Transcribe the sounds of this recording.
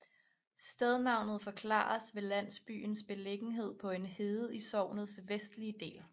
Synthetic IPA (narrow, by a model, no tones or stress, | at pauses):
sd̥eð̞ˠnɑ̈ʊ̰nð̩ˠfɒ̽kʰlɑ̰̈ːɐsʋe̝læn̰sb̥y̰ːnsb̥e̝leɡ̥n̩ɦe̝ð̞̰ˠpʰɒ̽e̝nhe̝ːð̩ˠisɒʊ̰nð̩ˠsʋesd̥liəd̥e̝̰ːl